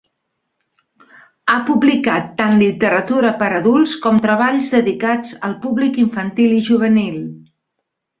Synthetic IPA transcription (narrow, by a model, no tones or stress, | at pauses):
apublikat̪ːanlit̪əɾət̪uɾəpəɾəðulˠskɔmt̪ɾəβaʎzðəðikad͡zəlˠpuβlikiɱfənt̪iliʒuβ̞ənilˠ